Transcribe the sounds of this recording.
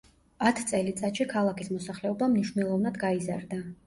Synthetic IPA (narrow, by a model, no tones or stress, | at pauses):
at̪ʰt̪sʼɛlit̪sʼat̪ʃikʰalˠakʰismɔsaχlɛɔbamniʃnɛlˠɔvnad̪ɡaizaɾd̪a